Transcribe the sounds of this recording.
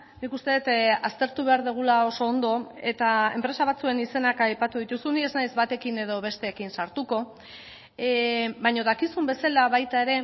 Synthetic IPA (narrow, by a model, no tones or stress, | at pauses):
nikust̪e̞ðet̪ast̪e̞ɾt̪uβe̞aɾðuɣ̞ulao̞so̞ːnd̪o̞e̞t̪ae̞̰mpɾe̞saβ̞at͡sue̞nise̞nakajpat̪uð̞it̪usunie̞znajzβat̪e̞kine̞ðo̞β̞e̞st̪e̞ːkinsaɾt̪uko̞ | bajɲo̞ðakisumbe̞salaβajt̪ae̞ɾe̞